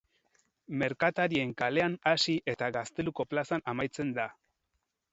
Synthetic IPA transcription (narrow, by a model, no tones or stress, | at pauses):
me̞ɾkat̪aɾie̞ŋkale̞anasiʔe̞t̪aɣast̪e̞luko̞plasanamajt͡se̞nd̪a